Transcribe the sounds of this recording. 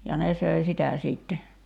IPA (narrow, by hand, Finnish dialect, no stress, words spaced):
jɑ ne søi sitæ siːtːe